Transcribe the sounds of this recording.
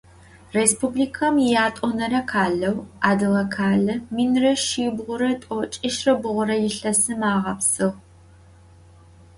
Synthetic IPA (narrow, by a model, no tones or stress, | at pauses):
respubliːkʰɐmjaːtʼɔnɐɾɐkʰaːɮɐwaːdɨʁɐkʰaːɮɐminrɐʃiːbʁʷʊɾɐtʼɔt͡ʃʼɪʃrɐbɨʁʷʊɾɐjɪɬɐsɨmaːʁɐpsɨʁ